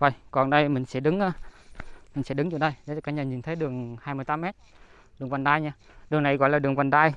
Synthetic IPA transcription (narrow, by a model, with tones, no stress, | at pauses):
və˨˩jkɔ˨˩nɗə˧jmï˨˩ŋ̟sɛ̰˧˥ɗɨ˨˦ŋʔaː˨˧˦ | mï˨˩ŋ̟sɛ̰˧˥ɗɨ˨˦ŋt͡ɕu˧˩ənɗə˧jɗe˨˦˨kaː˧ɲaː˨˩ɲi˨˩nt̪ʰə˨˦jɗɨ˨˩əŋhaː˧jmɨ˧əjt̪aː˨˦mɛ˦˥t̚ | ɗɨ˨˩əŋva˨˩nɗ̪aː˧jɲaː˧ | ɗɨ˨˩əŋna˨˩jɣɔ̰˧˨jlaː˨˩ɨ˨˩əŋkwa˨˩nɗ̪aː˧j